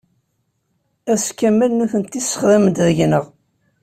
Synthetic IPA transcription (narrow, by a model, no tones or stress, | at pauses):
æskːæmːælnuθənt̪isə̥χðæmd̪ðəʝnəʁ